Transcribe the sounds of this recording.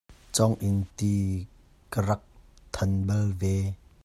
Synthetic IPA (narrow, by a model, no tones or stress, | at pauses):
t͡sɔŋʔɪnt̪i | kərɐk̚t̪ʰɐnbɐlvɛ